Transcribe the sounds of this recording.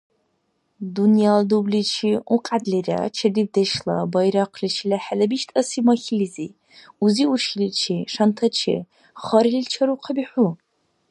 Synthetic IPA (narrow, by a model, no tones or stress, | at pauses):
dunjaldublit͡ʃʰiuqʼadlira̰t͡ʃʰɐdib̚dɐʃlɐ̰bɐjɾaqʰlit͡ʃʰilaħalɐbiʃtʼɐsimɐxilizi | uziuʃlit͡ʃʰiʂɐntʰɐt͡ʃʰɪ̰ | χɐɾilit͡ʃʰɐɾuqʰɐbiħʷu